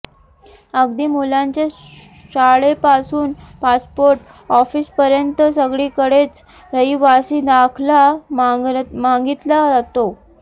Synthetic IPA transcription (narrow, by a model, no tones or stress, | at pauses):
əɡd̪iːmulaɲt͡ɕe | ɕaɭepasuːnpaspoɾʈ | ɔfiːspəɾjənt̪əsəɡɭiːkəɽet͡s | ɾəiʋasiːd̪akʰla | maŋɡit̪lad͡zat̪o